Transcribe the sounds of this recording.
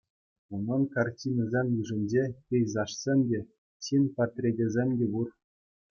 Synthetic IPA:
unɑnkartʲinɤzʲemʲjyʐɘ̆nʲd͡ʑekʲejzɑʂsʲemʲdʲe | ɕinpat̪rʲedʲezʲemʲdʲebur

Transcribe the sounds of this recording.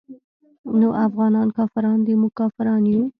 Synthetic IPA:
noʔafɣɑnɑnkɑfɪɾɑnd̪emʊkɑfɪɾɑnju

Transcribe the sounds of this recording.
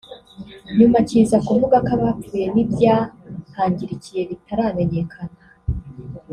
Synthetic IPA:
ɲumacizakuvuɡakaβakuːje̞nibjaːhaːɲɟiɾicije̞βitaɾame̞ɲe̞kʰana

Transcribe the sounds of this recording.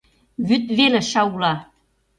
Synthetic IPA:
βyt̪̚βelĕʃɑulɑ

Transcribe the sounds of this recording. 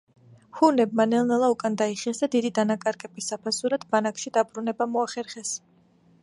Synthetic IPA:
hunɛb̚manɛlˠnɛlˠaukʼand̪aiχiɛsd̪ad̪id̪id̪anakʼaɾkʼɛbisapʰasuɾad̪̥banakʃid̪abɾunɛbamɔaχɛɾχɛs

